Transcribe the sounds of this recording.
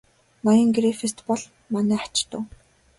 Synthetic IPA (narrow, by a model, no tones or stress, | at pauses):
najɞ̆ŋɡɾefest̪pɔɮ | manæːḁt͡ɕt̪ʊ̰̆ː